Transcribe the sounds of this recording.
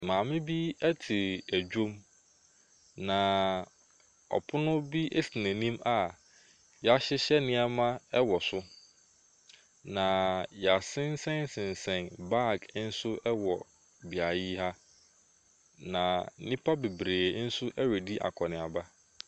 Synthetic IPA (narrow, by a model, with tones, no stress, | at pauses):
mãː˨mɪ̃˦bi˦æ˦tʰi˨ɾæ˨d͡ʑᶣo˦m | nã˨ | ɔ̰˨pʰʊ˦nʊ̃˦bi˦ʔe˦si˨næ̃˨nĩ˦ma˨ | jɛ˨a˨ɕɪ˦ɕɛ˦nɪ̃˦a˦mã˦ɛ˦wɔ˨sʊ˦ | nã˨jɛ˨a˨sɪ̃˦n˦sɛ̃˦n˦sɪ̃˨n˨sɛ̃˨nba˦˨ɡn̩˦sʊ˦ɛ˦wɔ˨ | bi˨a˨ji˦ha˦ | nã˨˦nĩ˦pʰa˦be˨bɾeː˨˦n̩˦sʊ˦ʔɛ˦wɛ˨di˦ʔa̰˨kʰɔ˨nɪ̃˨a˨ba˦